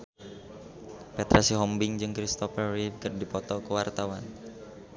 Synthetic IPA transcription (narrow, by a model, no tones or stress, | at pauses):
pɛt̪ɾasiɦɔmbɪŋd͡ʒɨŋkɾist̪ɔfərːikərdipɔt̪ɔkəwart̪awan